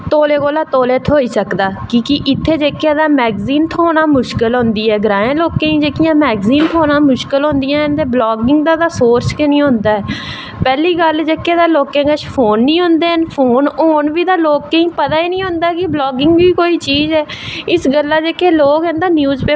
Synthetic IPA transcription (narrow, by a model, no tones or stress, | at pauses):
t̪oːleːkoːlaːt̪oːleːt̪ʰoːiːsəkd̪aːkiːkiʔɪt̪ʰːeːd͡ʒeːkːãːd̪aːmɛːɡziːnt̪ʰoːnãːmʊʃkəlɦõnd̪iːɦɛːɡɾãːẽːloːkẽːĩːd͡ʒeːkɪjãːmɛːɡziːnt̪ʰoːnãːmʊʃkəlɦõnd̪ɪjãːɦənt̪eːblɔːɡɪŋɡd̪ãːd̪aːsoːɾt͡ʃkenĩːɦõnd̪aːɛː | pɛːliːɡəld͡ʒeːkːeːd̪aːloːkẽːɡəʃpʰoːnːĩːɦʊ̃nd̪eːənpʰoːnoːnʋiːd̪aːloːkːeĩːpət̪aːiːnĩːɦʊ̃nd̪aːkɪblɔːɡɪŋɡʋiːkoːiːt͡ʃiːzɛːɪsɡəlːaːd͡ʒeːkeːloːkɦɛ̃nd̪aːnjuːzpeː